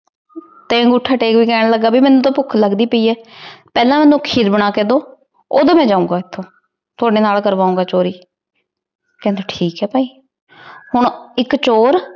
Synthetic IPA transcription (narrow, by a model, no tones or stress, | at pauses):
t̪ẽːɡuʈʰaːʈeːkbiːkɛːɽ̃ləɡːaːbiːmɛːnːũːt̪õːpʊkʰləɡd̪iːpəiːɛːpɛːlãːmɛ̃ːnːũːkʰiːd̪bəɽ̃aːkeːd̪oː | o̰ːd̪aːmɛ̃ːd͡ʒãːũːɡaːɪt̪ʰːõː | t̪ʊaːɖeːnaːlkəɾʋaːũːŋɡaːt͡ʃoːɾiː | kɛ̃nd̪eːʈʰiːkɛːpaːiː | hʊɳɪkt͡ʃoːɾ